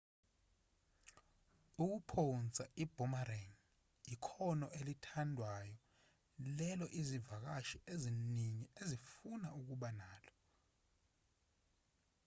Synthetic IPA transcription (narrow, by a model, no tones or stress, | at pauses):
uk̬upʰont͡sʼaʔib̥ʱɔmarɛŋ | ikʰɔnɔʔelitʰandʱwajɔ | lɛlɔʔizivak̬aʃieziniɲiezifunauk̬uɓanaːlɔ